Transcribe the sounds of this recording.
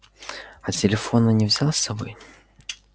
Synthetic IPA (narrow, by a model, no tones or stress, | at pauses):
ɐt͡sʲɪlʲɪfɔnɐnʲɛvzʲalˠsɐbɔj